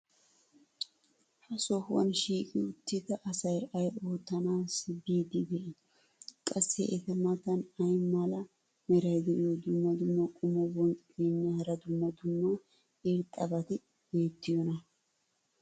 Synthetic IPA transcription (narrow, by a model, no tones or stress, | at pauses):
hɐsɔhʊwɐ̰nʃiːkʼɪʊt̪ːɪd̪ɐʔːsɐjɐjʔo̞ːt̪ːɐnaːsbiːd̪ɪd̪ɛʔ | kʼɐsːɛ̰ʔɛt̪ɛmɐt̪ɐnɐjmalɐ | mɛɾɐjd̪ɛʔjod̪ʊmːɐd̪ʊmːɐkʼʊmɐbɔnt͡sʼɪɡenːɛhɐɾɐd̪ʊmːɐd̪ʊmːɐ | ɪɾt̪ʼːɐbɐt̪ɪ | be̞ːt̪ːɪjɔnɐ